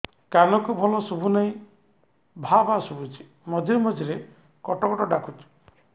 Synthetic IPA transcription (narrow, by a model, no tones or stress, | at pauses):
kanɔkubʱɔlɔsubʱunaĩ | bʱabasubʱut͡ʃʰi̥ | mɔd̪ʱiɾmɔd̪ʱiɾe | kɔʈɔkɔʈɔɖakʰut͡ʃʰi̥